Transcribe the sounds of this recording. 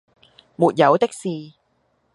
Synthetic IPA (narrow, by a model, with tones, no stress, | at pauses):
muː˨˩t̚jɐ˨˥wt̪ɪ˥k̚siː˧